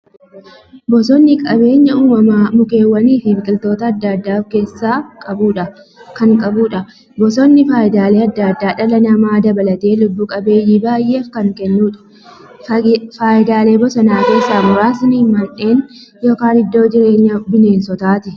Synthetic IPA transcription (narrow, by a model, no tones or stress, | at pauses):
bɔsɔnːɪkʼɐbe̞ːɲːɐʊmɐmaːmʊke̞ːwːɐniːfɪmɪkʼɪlt̪o̞ːt̪ɐːd̪ːad̪ːaːfkeːsːaːkʼɐbuːᶑɐ | kɐŋkʼɐbuːᶑɐ | bɔsɔnːɪfaːjɪd̪aːle̞ːɐd̪ːad̪ːaːᶑɐlɐnɐmaːd̪ɐbɐlɐt̪e̞ːlʊbːuːkʼɐbe̞ːjːiːbaːjʔe̞ːfkɐŋkɛnːuːᶑɐ̥ | faːjɪd̪aːle̞ːbɔsɔnaːke̞ːsːaːmʊɾaːsɐniːnmɐᶑe̞ːnjo̞ːkaːnɪd̪ːo̞ːd͡ʒɪɾe̞ːɲːɐbɪne̞ːnsɔt̪aːt̪ɪ